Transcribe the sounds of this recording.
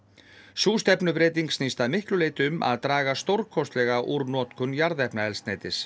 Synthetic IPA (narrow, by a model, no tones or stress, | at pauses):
suːst̪ɛpnʏpɾeːt̪iŋksnist̪aðmɪhklʏleːjt̪ʏmʔa̰ðt̪ɾaːɣast̪owɾkʰɔst̪lɛɣaʔuɾnɔːt̪kʰʏnjaɾðɛhpnaɛlst̪nejt̪ɪs